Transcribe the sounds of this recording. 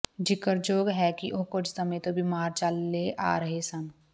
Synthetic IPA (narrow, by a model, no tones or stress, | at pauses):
d͡ʒɪkəɾd͡ʒoːɡɦɛkiʔʊɦkʊt͡ʃʰsɐmẽt̪obʱimaːɾt͡ʃalːeʔa̰ːɾɐɦesɐm